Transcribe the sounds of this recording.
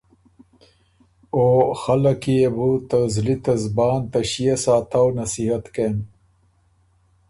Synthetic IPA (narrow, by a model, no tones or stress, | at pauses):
oːxɐlɐkijebut̪ɐzlit̪ɐzbaːnt̪ɐɕijesaːt̪awnɐsiɦɐt̪ken